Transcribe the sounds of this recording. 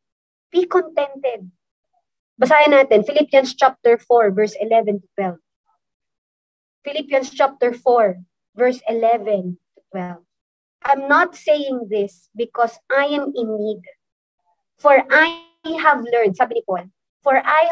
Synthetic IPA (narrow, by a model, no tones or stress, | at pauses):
b̥ikɔ̃nt̪ɛ̃nt̪ɛd̪̚ | bɐsaːjɐnaːt̪ɛnfɪlipjɐ̃nst͡ʃap̚t̪ɛɹfɔɹvɛɹsɪlɛvɛ̃nt̪ʊ̥t̪̚wɛlv | fɪlipjɐ̃nst͡ʃap̚t̪ɛɹfɔɹ | vɛɹsɪlɛvɛ̃nt̪ʊt̪wɛlv | ʔãjmnat̪̚sejɪ̃ŋðɪs | bɪkɔsʔajɛ̃mɪniɡ | fɔɹʔa | hɐvlɛɹnd̪̚saːbɪnipɔn | fɔɹʔaj